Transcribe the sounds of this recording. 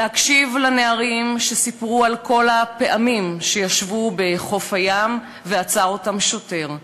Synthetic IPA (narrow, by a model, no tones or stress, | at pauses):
leakʃivlaneaʁimʃesipʁualko̞lape̞ʔamimʃe̞jaʃvube̞χo̞fajam | veat͡sao̞tamʃote̞ʁ